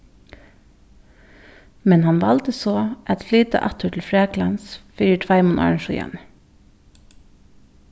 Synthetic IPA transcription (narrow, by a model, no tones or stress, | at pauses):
mɛnhɑnʋɑld̪əsoːʔɛt̪flyːd̪ə̰ʔɑt̪əʈʰl̩fɹeːklɑnsfyːəʈʰʋɑɪmʊnʔɑ̰ɹnʃʊjɛ̰n